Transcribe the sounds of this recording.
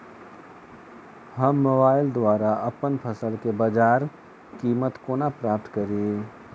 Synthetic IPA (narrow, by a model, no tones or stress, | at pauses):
ɦɐmːoːbaːɪld̪waːɾaʔɐpənpʰəsəlkebad͡ʒaːɾ | kiːmət̪koːnapɾaːp̚t̪kɐɾee